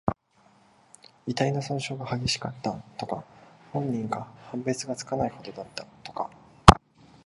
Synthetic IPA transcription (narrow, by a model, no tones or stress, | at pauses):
it̪aino̞sõɰ̃ɕo̞ːɡahaɡʲe̞ɕi̥kat̪ːat̪o̞kahõ̞ɲ̟ːĩŋɡahãmbe̞t͡sɨɡat͡sɨ̥kanaiho̞d̪o̞d̪at̪ːat̪o̞̥ka̰